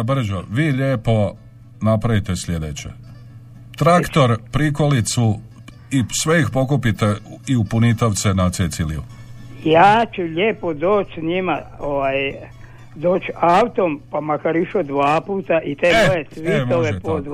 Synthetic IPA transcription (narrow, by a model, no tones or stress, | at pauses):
br̩ʒoʋiːʎeːpo̞ | napɾaʋit̪e̞sʎʲe̞d̪et͡ɕḛ | t̪ɾakt̪o̞ɾpɾikolit̪su | isʋe̞ixpo̞kupit̪eiupunit̪oʋt̪senat̪set̪siliṵ | jaːt͡ʃuʎeːpod̪oːt͡ʃsɲimaoʋaːj | d̪oːt͡ʃawt̪ompamakaɾiʃod̪ʋaːpuːt̪aʔit̪eoesʋimoʋepod̪